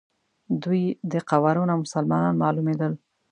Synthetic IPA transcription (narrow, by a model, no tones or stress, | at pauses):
d̪ujd̪əqawaɾunamʊsalmɑnɑnmɑlumed̪əl